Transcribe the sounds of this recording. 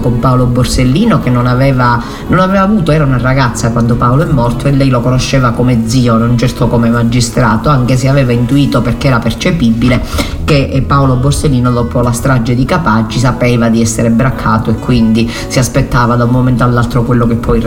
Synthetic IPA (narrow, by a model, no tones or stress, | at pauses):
kompaoloborselːiːnokenːonavɛːva | nonavɛːvaːvuːt̪oɛːɾaunaraɡat̪sːakwand̪opawloɛmːɔrt̪oelːɛjlokonoʃːɛːvakomed̪ziːonont͡ʃɛrt̪okomemad͡ʒist̪ɾaːt̪oaŋk̟es̬eavɛːvaint̪uiːt̪operkeɛːɾapert͡ʃepibːile | kepːaoloborselːiːnod̪ɔːpolast̪ɾad͡ʒːed̪ikapad͡ʒːis̬apɛːvad̪iɛsːeɾebɾakʰːaːt̪oekːwind̪i | siaspet̪ːaːvad̪aumːomɛnt̪oalːalt̪ɾokwelːokepʰːɔj